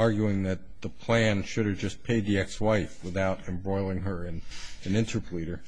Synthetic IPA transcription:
ɑɹɡjʉɪ̃ŋðɨt̪̚ðəpʰl̥æ̃nʃʊɾɨvd͡ʒʌspʰeɪd̪̚ðiɛkswaɪfwɨθaʊɾɨ̃mbɹɔɪlˠɪ̃ŋə˞ɨ̃nɨ̃nɪ̃ntʰə˞pʰliɾə˞

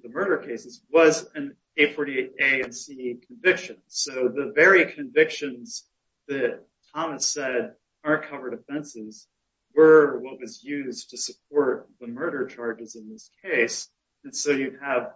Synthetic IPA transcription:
ðəmɜ˞ɾə˞kʰeɪsɨzwʌzɨ̃n | eɪtfɔɹɾieɪɾeɪɨ̃nsikʰɨ̃ɱvɪkʃɨ̃nsoʊðɨvɛɹikʰɨ̃ɱvɪkʃɨ̃nz̥ | ðɨtʰɑmɨsɛɾ | ə˞nkʰʌvə˞ɾɨfɛ̃nsɪz | wə˞wʌt̚wʌzjʉztʰɨsɨp̚ʰɔɹt̪̚ðəmɜ˞ɾə˞t͡ʃʰɑɹd͡ʒɨzɨ̃nðɪskʰeɪs | ɨ̃nsoʊjɨəv̥

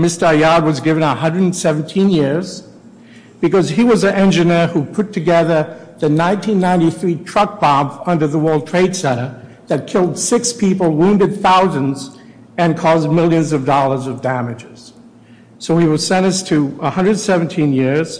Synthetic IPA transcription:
mɪstəjɑd̚wʌzɡɪvɨ̃nəhʌ̃ndɹɨdn̩sɛvn̩tʰĩnjɪɹz̥ | b̥ɨkʌziwʌzɨɛ̃nd͡ʒɨnə˞hupʰʊtʰɨɡɛðə˞ðɨnãɪ̃ntʰĩnːãɪ̃ntiθɹitʰɹ̥ʌk̚b̥ɑbʌ̃ndə˞ðəwɜ˞lˠd̚tʰɹ̥eɪd̥sɛ̃ɾ̃ə˞ | ðɨt̚kʰɪlˠd̥sɪkspʰipl̩ˠwũndɨd̪̚θaʊzɨ̃nz | ɨ̃nkʰɔzmɪlˠjɨ̃nzʌvdɔlˠə˞zʌvdæmɨd͡ʒɪz̥ | soʊiwɨlsɛ̃ɾ̃ʌstʰɨəhʌ̃ndɹɨdn̩sɛvn̩tʰĩnjɪɹz̥

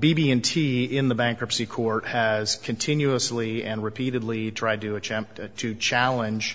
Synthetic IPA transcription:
bibiɨ̃ntʰiɪ̃nðəbæ̃ŋkɹəpsikʰɔɹt̚hɨz̥kʰɨ̃ntʰɪ̃njʉəsliɨ̃nɹɨpʰiɾɨdˡlitʰɹ̥aɪd̚tɨːt͡ʃɛ̃mp̚tʰɨt͡ʃʰælˠə̃nd͡ʒ̥

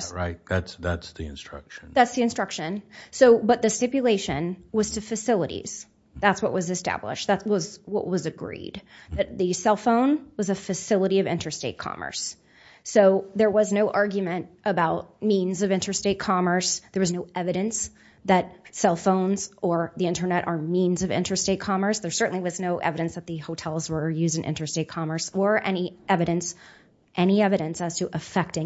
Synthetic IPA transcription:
ɹaɪt̚ðætsðætsðiɨ̰̃nstɹ̥ʌ̰kʃnðætsðiɨ̃nstɹ̥ʌkʃɨ̃nsoʊbʌt̪̚ðɨstɪpjɨleɪʃɨ̰̃nwʌz̥tʰɨfɨsɪlˠəɾḭz̥ | ðætswʌ̰ʔwʔʌzɨstæ̰blɪ̰ʃ̚ðætwʌzwʌ̰ʔwʌzɨɡɹḭd̚ðɨt̪̚ðɨsɛlˠfõʊ̃nwʌzɨfɨsɪlˠəɾiʌvɪ̰̃ntʰə˞steɪt̚kʰɑ̰mə̰˞sː | oʊðə˞wʌznoʊʔɑɹɡjɨmɨ̃ntʔəbaʊt̚mĩnzʌvɪ̃ntʰə˞steɪt̚kʰɑmə˞sðə˞wʌznoʊɛvɨɾɨ̃ns | ðɨt̚sɛlˠfõʊ̃nzə˞ðiɪ̃ntʰə˞nɛɾʔə˞mĩnzʌvɪ̰̃ntʰə˞steɪt̚kʰɑmə˞sðə˞sɜ˞ʔn̩liwʌznoʊʔɛ̰vɨɾɨ̃nsðɨt̪̚ðɨhoʊtʰɛlˠzwə˞jʉzdɨ̃nʔɪ̰̃ntə˞steɪt̚kʰɑmə˞sə˞ʔɛ̰niʔɛvɨɾɨ̃ns | ʔɛñiɛvɨɾɨ̃nsɨz̥tʰɨʔəfɛk̚tɪ̃

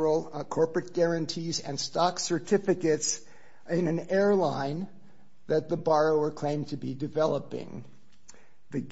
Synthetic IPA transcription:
l̩ˠkʰɔɹpɹɨt̚ɡ̥ɛɹɨ̃ntʰizɨ̃nstɑksə˞tʰɪfɨkɨts | ɪ̃nɨ̃nɛɹlãɪ̃n | ðɨt̪̚ðəbɑɹoʊə˞kʰl̥ẽɪ̃mtʰɨbidɨvɛlˠəpɪ̰̃ŋ | ðɨɡ

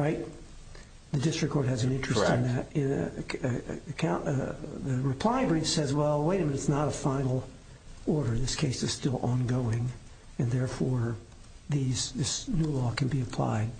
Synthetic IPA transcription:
ɹaɪt̪̚ | ðɨdɪstɹ̥ɨkʰːɔɹt̚ɦɨz̃n̩ɪ̃nt͡ʃɹ̥ɨssnðɨɾɪ̃n | kʰãʊ̃ðɨɹɨpʰl̥aɪbɹĩfsɛzwɛlˠweɪɾɨ̃mɨnɨtsnəɾəfãɪ̃nl̩ˠ | ɔɹɾə˞ðɪskʰeɪsɨz̥stɪlˠʔɑ̃nɡoʊɪ̃ŋ | ɨ̃nðɛɹfɔɹ | ðizðɪsnulɔkʰɨ̃n̩biɨpʰl̥a̰ɪd̥̚

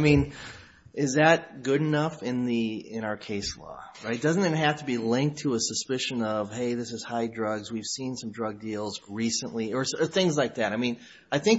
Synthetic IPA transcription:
mĩn | ɪzðɨt̚ɡ̥ʊɾɨnʌfɪ̃nðiɪ̃ɾ̃aʊə˞kʰeɪslɔ̰ | ɹaɪt̚d̥ʌz̃n̩ɨt̚ɦæftʰəbilɪ̃ŋk̚tʰəəsəspɪʃɨ̃nʌv̥ɦeɪðɪsɨz̥haɪdɹʌɡzwiv̥sĩnsʌ̃mdɹʌɡ̚dilˠzɹisə̃nʔliə˞sə˞θɪ̃ŋzlaɪk̚ðɨɾaɪmĩn | aɪθɪ̃ŋ

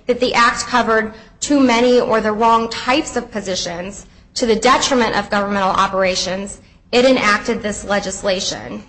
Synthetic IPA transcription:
ðɨt̪̚ðiʔæk̚t̚kʰʌvə˞d̚tʰʉmɛɾ̃iə˞ðəɹɔ̃ŋtʰaɪpsʌv̥pʰɨzɪʃɨ̃nz̥ | tʰɨðɨdɛt͡ʃɹ̥ɨmɨ̃ɾ̃ʔʌ̰vɡʌvə˞mɛ̃ɾ̃l̩ˠɑ̰pə˞eɪʃɨ̃nz | ɪɾɨ̃næk̚tɨd̪̚ðɪslɛd͡ʒɨsleɪʃɨ̰̃n

